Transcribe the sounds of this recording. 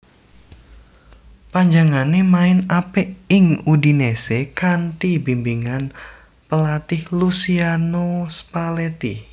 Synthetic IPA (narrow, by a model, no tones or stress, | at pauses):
paɲd͡ʒaŋanemaɪnapeɪŋudinesekant̪ibimbiŋan | pəlat̪ɪhlusianospalet̪i